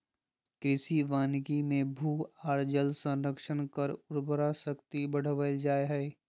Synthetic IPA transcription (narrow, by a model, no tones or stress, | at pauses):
kɾɪsiʋaːnɡimẽbʱuːaːɾd͡ʒəlsə̃nɾəkʃənkəɾʊɾbəɾasəkt̪ibəɽ̤əʋəld͡ʒaːeɦɛː